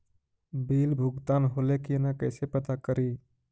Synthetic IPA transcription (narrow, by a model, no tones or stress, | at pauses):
biːlbʱʊɡt̪aːnɦoːlekinakəsepət̪akəɾiː